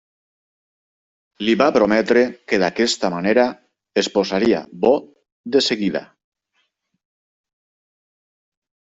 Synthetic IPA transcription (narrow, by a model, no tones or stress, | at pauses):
liβapɾomɛt̪ɾekeðakɛst̪amaneɾa | esposaɾia̰βɔ | d̪eseɣiða̰